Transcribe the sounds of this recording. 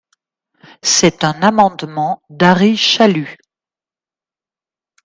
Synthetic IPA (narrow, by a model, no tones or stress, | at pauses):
sɛt̪ɛ̃namɑ̃d̪mɑ̃d̪aʁiʃaly